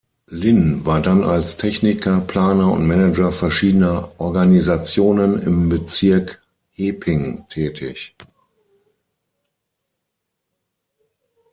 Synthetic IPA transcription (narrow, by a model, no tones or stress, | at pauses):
lɪnvaːɐdanalstʰɛçnɪkʰɐpl̥aːnɐʊ̰ntmɛnɛd͡ʒɐfɛɐʃiːdənɐʔɔɐɡanizat͡sjoːnənɪ̰mbət͡sɪɐk | heːpʰɪŋtʰɛːtʰɪ̰ç